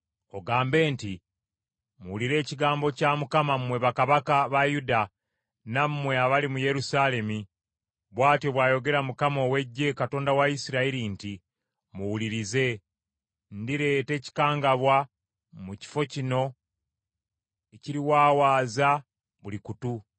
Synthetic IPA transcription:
o̞ɡaːmbe̞ːnti | muwuliɾe̞ːciɡaːmbo̞caːmukamammwe̞βakaβakaβajuda | nammwe̞aβalimuje̞ɾusale̞mi | βwaːtjoβwaːjo̞ɡe̞ɾamukamo̞we̞ɟːe̞kato̞ːndawaisiɾaiɾinti | muwuliɾize̞ | ndiɾe̞ːte̞ːci̥kaːŋɡaβwa | muci̥fo̞cino̞ | eciɾiwaːwaːza | βulikutu

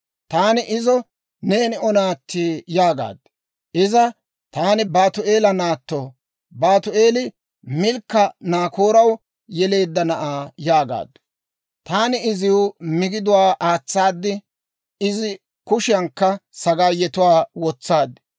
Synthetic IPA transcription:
t̪aːnɪʔɪzɔ | neːnɪɔnaːt̪ːiːjaːɡa̰ːd̪ː | ʔɪzɐ | t̪aːnɪbaːt̪ʊʔe̞ːlɐnaːt̪ːɔ | baːt̪ʊe̞ːlɪ | mɪlkːɐnaːkoːɾɐw | jɛle̞ːd̪ːɐnɐʔaːjaːɡa̰ːd̪ːʊ̥ | t̪aːnɪɪzɪʊmɪɡɪd̪ʊwaːʔaːt͡sːaːd̪ːɪ | ɪzɪ | kʊʃɪjɐŋkːɐsɐɡaːjːɛt̪ʊwaːwɔt͡sːaːd̪ːɪ̥

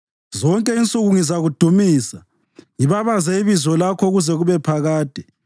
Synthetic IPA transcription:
zɔŋkʼɛint͡sʼuɣuŋizaɣud̥ʱumiːsa | ŋiβaβazɛiβizɔlakʰɔɣuzɛɣuβɛpʰaɣaːd̥ʱɛ̥

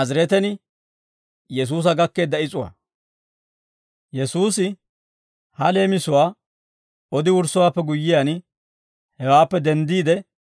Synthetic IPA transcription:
ɐzɾɛt̪ɛnɪ | jɛs̬uːs̬ɐɡɐkːe̞ːd̪ːɐɪt͡sʼʊwa̰ | jɛsuːsɪ | hɐle̞ːmɪsʊwaː | ɔd̪ɪwʊɾsʊwaːpːɛɡʊjːɪjan | hɛwaːpːɛd̪ɛnd̪iːd̪ɛ

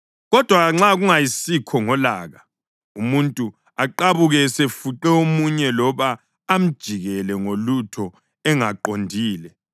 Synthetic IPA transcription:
ɣɔd̥ʱwaɣaŋ͡ǁaɣuŋajisikʰɔŋɔlaːɣa | umuntʼu | aǃaβuɣɛsefuǃɛomuɲɛlɔβaː | m̩d̥ʒ̥ʱiɣɛlɛŋolutʰɔ | ɛŋaǃondʱiːlɛ

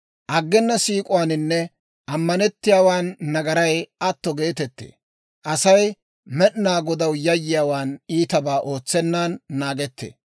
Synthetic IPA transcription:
ʔɐɡːɛnːɐsiːkʼʊwaːnɪnːɛ | ʔɐmːɐnɛt̪ːɪjaːwaːnːɐɡɐɾɐjɐt̪ːɔɡe̞ːt̪ɛt̪ːḛː | ʔɐsɐj | mɛɗnaːɡɔd̪ɐwjɐjːɪjaːwaːniːt̪ɐbaːʔo̞ːt͡sːɛnːaːnːaːɡɛt̪ːḛː

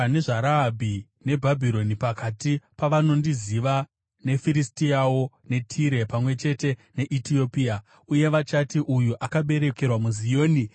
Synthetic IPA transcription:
neʐaɾaːbʱi | ne̞bʱabʱiɾo̞nipakatipaʋano̞ndiziʋa | ne̞fiɾistiawo̞ | ne̞tʰiɾe̞pamwe̞t͡ʃe̞te̞ne̞ʔitio̞pia | uje̞ʋat͡ʃatiʔujuʔakaɓe̞ɾeke̞rwamuzijo̞ːni

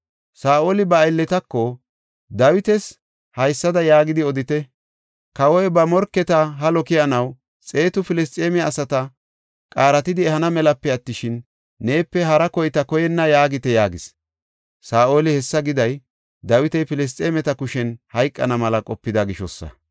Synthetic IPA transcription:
saːʔoːlɪbɐːlːɛt̪ɐkːɔ | d̪ɐwɪt̪ɛs | hɐjsːɐd̪ɐjaːɡɪd̪ɪɔd̪ɪt̪ɛ | kɐwɔjbɐmɔɾkːɛt̪ɐɦɐlɔkɪjɐnɐw | t͡sʼe̞ːt̪ʊfɪlɛst̪ʼeːmɛɐsɐt̪ɐ | kʼaːɾɐt̪ɪd̪ɪɛhɐnɐmɛlɐpːɛɐt̪ːɪʃɪnː | eːpːɛɦɐɾɐkɔjt̪ɐkɔjɛnːɐjaːɡɪt̪ɛjaːɡɪs | saːoːlɪhɛsːɐɡɪd̪ɐj | d̪ɐwɪt̪ɛjpɪlɛs̬t̪ʼeːmɛt̪ɐkʊʃɛnhɐjkʼːɐnɐmɐlɐkʼɔpːɪd̪ɐɡɪʃɔsːɐ̰

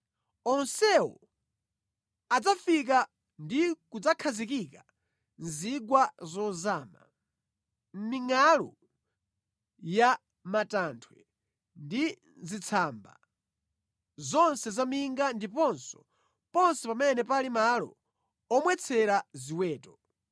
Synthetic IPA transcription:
ɔnsɛwɔ | ad͡zafik̬a | ndikud͡zakʰazikika | nziɡwazɔzaːma̰ | m̩miŋalɔ̰ | ja | matantʰwɛ | ndi | zit͡sʰamba̰ | zɔnsɛzamiŋɡandipɔnsɔ̥ | pɔnsɛpamɛnɛpalimalɔ̰ | ɔmwɛt͡sʰɛɾaziwɛːtɔ

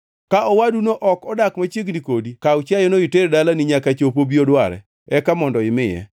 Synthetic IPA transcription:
kaʔɔwadunoʔɔkɔdakmat͡ʃjeɡnikodikaʊt͡ʃjajɔnoɪteɾdalanɪɲakat͡ʃopobiodwaɾɛ̰ | ɛkamɔndɔɪmɪjɛ̰

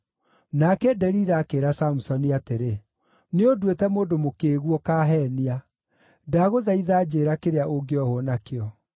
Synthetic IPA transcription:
nakɛdɛɾiɾaːkeɾasam̩sɔniateɾe | neodwetɛmoːdomokeːɣwɔkaːɦɛːnia | daɣoðaiðaːd͡ʑeːɾakeɾeaʔoɡeɔhonakeɔ

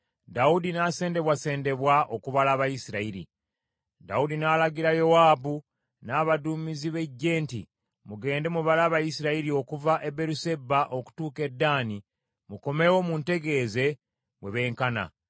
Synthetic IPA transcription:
daudinase̞ːnde̞βwase̞ːnde̞βwaʔo̞kuβalaːβajisiɾaiɾḭ | da̰udinaːlaɡiɾajo̞waːbu | naːβaduːmiziβe̞ɟːe̞ːntḭ | muɡe̞ːnde̞muβalaːβajisiɾaiɾio̞kuvaʔe̞be̞ɾuse̞bːaʔo̞ku̥tuːke̞dːaːni | muko̞me̞wo̞munte̞ɡe̞ːze̞ | we̞βe̞ːŋkana̰

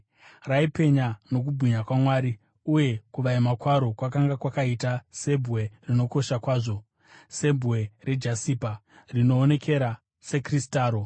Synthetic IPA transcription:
raipe̞ɲano̞k̬ubʱiɲakwamwaːɾi | uje̞kuʋaimakwaɾo̞kwakaŋɡakwakaitase̞bʱwe̞rino̞ko̞ʃakwaːʐo̞ | se̞bʱwe̞re̞d͡ʒasiːpa | rino̞ːne̞kʰe̞ɾa | se̞kristaːɾo̞

